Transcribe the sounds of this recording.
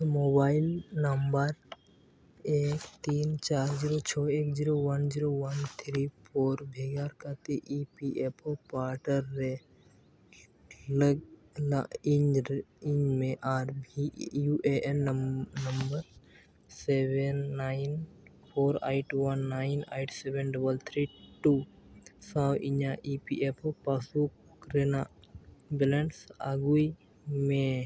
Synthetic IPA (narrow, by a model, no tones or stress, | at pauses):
moːbaːɪlnəmbəɾ | eːkt̪iːnt͡ʃaːɾd͡ʒiːɾot͡ʃʰɔːeːkd͡ʒiɾoʋənd͡ʒiːɾoʋənt̪ʰɾipʰoːɾbʱeːɡaːɾkat̪eʔipiʔepʰopaːɾʈəɾːe | ləɡ | lɪ̃d͡ʒɪ̃ɲd͡ʒmẽʔaːɾbijuʔeʔɛnnɐmbəɾ | sebɛnːaɪn | pʰoːɾaːɪʈuwɐnːaɪnejʈsɛbɛnɖɐbəlt̪ʰɾiːʈu | sawʔiɲaʔipḭʔepʰpasuk | kɾena | bɪleɳʈsaɡui | mẽ